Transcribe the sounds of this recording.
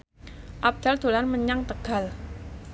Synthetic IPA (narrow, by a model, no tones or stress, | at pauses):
ʔab̚d̪̥ald̪̥o̤lanməɲaŋt̪əɡ̥a̤l